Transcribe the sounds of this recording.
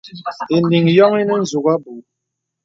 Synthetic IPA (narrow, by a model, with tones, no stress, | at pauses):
e˨nli˨ŋjɔ˦ŋi˦nɛ˦n̩˨zu˨ɣa˦bu˨